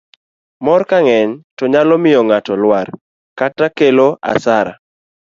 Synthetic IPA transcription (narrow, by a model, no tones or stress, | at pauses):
mɔrkaŋɛɲtɔɲalɔmɪjɔŋatɔlwar | katakeloʔa̰saɾa̰